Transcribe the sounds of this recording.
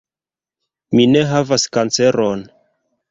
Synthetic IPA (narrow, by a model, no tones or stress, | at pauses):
mine̞ɦavaskant͡se̞ɾon